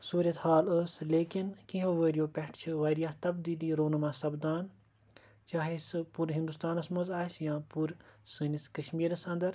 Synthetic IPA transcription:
suːɾɐt̪haːləsleːkinkĩɦoʋəːɾijoːpʲɛʈʰt͡ʃʰɨʋɐːɾijaːht̪ɐbd̪iːliːɾoːnmaːsɐbd̪aːn | t͡ʃaːɦesɨpuɾɦĩnd̪ust̪aːnɐsmɐzaːsjãːpuɾsɨːniskɐʃmiːɾɐsɐ̃nd̪ɐɾ

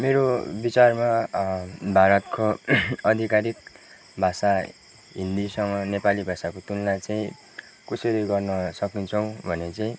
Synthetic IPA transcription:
meɾobit͡sarma | bʱaɾʌt̪kʰoʌd̪ʱikaɾik̚ | bʱasa | ɦind̪isʌŋɡʌnepalibʱasakot̪ulnat͡saĩ | koseɾʌjɡʌrnʌsʌkint͡sʰʌw̃bʱʌnet͡saĩ

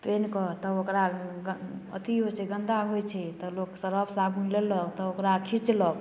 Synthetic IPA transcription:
penkɔt̪ɔokɾaɡə̰t̪iɦot͡ʃʰɛɡə̃nd̪aɦojt͡ʃʰɛt̪ɔloksəɾəpʰsabʱunlelɔt̪ɔokɾakʰit͡ʃlɔb

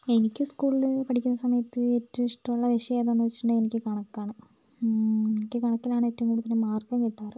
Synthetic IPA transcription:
e̞nikʲːuskuːɭilɨpɐʈikʲːunːɐsɐmɐjɐt̪ːɨetːɐʋiʂʈːɐmuɭːɐʋeʂɐjeːðonːuʋɐt͡ɕːiʈːuɳɖenikʲːɨkɐɳɐkːaːɳɨ | enikʲːɨkɐɳɐkːilaːɳɨeːtːɐʋuŋkuːɽut̪ːɐnːemaːrkɐmkiʈːaːrɨ

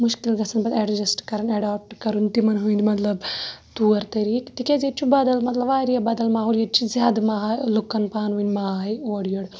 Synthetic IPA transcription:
muʃkilɡɐsɐnbɐt̪eɖd͡ʒɐsʈkɐɾɐnɐɖaːp̚ʈkɐɾunt̪imɐnɦuĩnd̪imɐt̪lɐbt̪uːɐɾt̪ɐɾiːkt̪ikezett͡ʃʰubɐd̪ɐlmɐt̪lɐbaːɾjɐbɐd̪ɐlmaːɦuːljɐtt͡ʃʰizʲjaːd̪ɐmaːɦaːjlukːɐnpaːnʋunʲmaːaːjoːɽjɐɽ

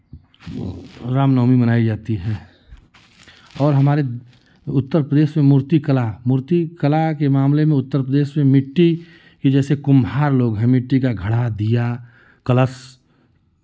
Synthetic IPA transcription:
ɾaːmnɔːmibənaːid͡ʒaːt̪iɦɛː | ɔːɾɦɐmaːɾe | ʊt̪ːəɾpɾəd̪eːʃmẽmʊɾt̪ikəlamʊɾt̪ikəlakemaːmlemẽʊt̪ːəɾpɾəd̪eːʃmẽmɪʈːi | kid͡ʒɛːsekʊmɦaːɾloːɡɦɛ̃mɪʈːikaɡʱəɽad̪ija | kələs

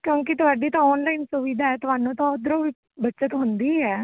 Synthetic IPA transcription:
kjõːk̬it̪ʊaːɖiːt̪ãɔːnlaːɪnsuʋiːd̪aːɛːt̪ʊɦaːnũːt̪ãːʊd̪ɾõːʋiː | bətːʃət̪ɦʊnd̪iːɛː

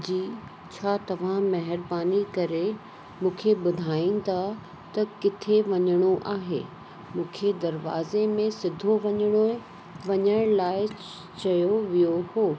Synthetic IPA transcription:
d͡ʑiː | t͡ɕʰaːt̪ɐʋ̤ãmɐɦɪɾbaːnikɐɾe | mũːkʰeɓʊd̪ʱaːĩn̆t̪ʰa | t̪ɐkɪt̪ʰeʋɐɲəɽ̃oʔaːɦḛː | mũːkʰed̪ɐɾʋa̰ːzemẽsɪd̪ʱoʋɐɲəɽ̃o | ʋɐɲəɽ̃laːɪ | t͡ɕɐjoʋijohoː

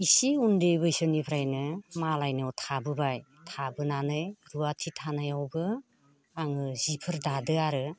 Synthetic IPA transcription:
isiundejbɯjsɯnipʰɾajnɯmalajnɯwtʰabɯbaj | tʰabɯnanɯjɾuatʰitʰanajawbɯ | aŋɯzipʰɯɾdadɯaɾɯ

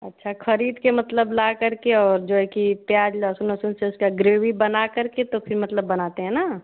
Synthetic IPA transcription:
ɐtːʃʰakʰəɾiːd̪kemɐt̪ləblakɐɾkeɔːɾd͡ʒoɛkipjaːd͡ʒlasunəsunseʊskaɡɾeːwibɐnakɐɾket̪opʰɪɾmɐt̪ləbːɐnat̪eɦɛ̃na

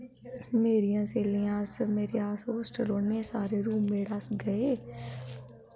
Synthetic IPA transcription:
meːɾɪjãːseːlijãːsmeːɾeːaːsɦoːsʈəloːnesaːɾeːɾuːmẽːɽasɡəeː

